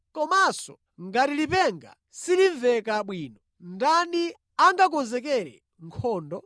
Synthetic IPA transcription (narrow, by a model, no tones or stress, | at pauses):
kɔmasɔ | ŋɡatilipɛŋɡa̰ | siliɱvɛkaɓwiːnɔ | ndani | aŋɡakɔnzɛk̬ɛɾɛ̰ | ŋkʰɔːndɔ